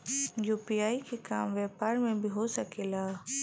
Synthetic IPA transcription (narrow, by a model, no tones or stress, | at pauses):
juːpiaːikekaːmʋɛːpaːɾmẽbʱiɦosɐkeːlaː